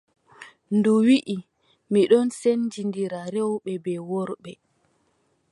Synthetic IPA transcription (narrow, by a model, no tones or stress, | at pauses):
nduwiʔi | miɗɔnsend͡ʒindiɾaɾɛwɓɛbɛwɔɾɓɛ